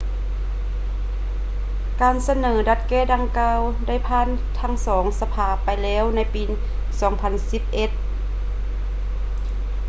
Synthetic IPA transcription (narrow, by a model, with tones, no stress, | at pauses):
kaː˨˧nsa˧nɤː˩˦da˧t̪̚kɛː˥˩da˧ŋkaː˧wda˥˩jpʰaː˧˥˨n | t̪ʰa˧˥˩ŋsɔː˩˦ŋsa˧pʰaː˧˩pa˧jlɛː˧˥˨wna˧˥jpiː˨˧ | sɔː˩˦ŋpʰa˧nsi˧˦p̚ʔe˧t̪̚